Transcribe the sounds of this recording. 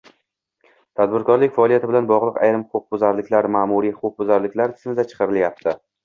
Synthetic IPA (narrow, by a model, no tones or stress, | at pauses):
t̪ʰad̪̚bɪɾkʰɒɾlɪkʲfaɒːliat̪ʰɪbɪlanbɒʁlˠɨqa̰jɾɪmhʊqʰʊq̚bʊzaɾlɪkʲlaɾmaːmuɾihʊqʊq̚bʊzaɾlɪkʲlaɾt̪ʰɪ̥zmɪd̪at͡ʃʰɨ̥qʰɑɾɪljap̚t̪ʰɪ